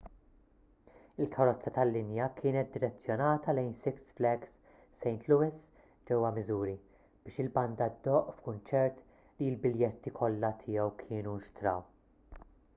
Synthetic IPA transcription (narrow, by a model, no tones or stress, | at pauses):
ɪlkʰɐɾɔt͡sːɐt̪ɐlːɪnjɐkʰɪːnɛt̪̚d̪ɪɾɛt͡sːjɔnɐːt̪ɐlɛjnsɪksflɛɡsː | ɛjnt̪ʰluwɪs | d͡ʒɛwːɐmɪzuːɾi | b̥ɪːʃɪlbɐnd̪ɐd̪ːɔːʔfkʊnt͡ʃɛɾt̪ | liɪlbɪljɛt̪ːikʰɔlːɐt̪ʰɪːjɛwkʰɪːnunʃt̪ɾɐ̰w